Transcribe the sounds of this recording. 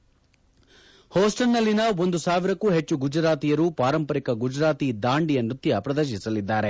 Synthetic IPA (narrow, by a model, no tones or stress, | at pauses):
hoːsʈɐnːɐlːinɐo̞nd̪usaːʋiɾɐkːuːɦe̞t͡ʃːuɡud͡ʒɾaːt̪ijɐɾupaːɾɐmpɐɾikɐɡud͡ʒɾaːt̪id̪aːɳɖijɐnɾut̪jɐpɾɐd̪ɐɾʃ̬isɐlid̪ːaːɾe̞